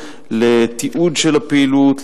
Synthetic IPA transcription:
let̪iʔudʃelapeilut̪

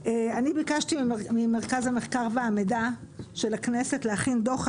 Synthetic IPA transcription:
eanibikaʃtimimeʁkazhameχkaʁveamedaʃe̞laknesetleaχind̪o̞χ

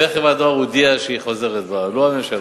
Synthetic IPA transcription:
eχevad̪oaud̪iaʃeiχozeʁet̪baloamemʃa

